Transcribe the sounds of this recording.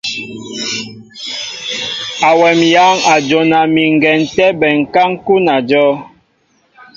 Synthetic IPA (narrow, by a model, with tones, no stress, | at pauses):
a˨wɛ˨mja˨˦ŋa˨d͡ʒo˨na˨mi˨ŋ̩˨ɡɛ˨n˨tɛ˦bɛ˨ŋ̩˨ka˦ŋ˦ku˦na˨d͡ʒɔ˦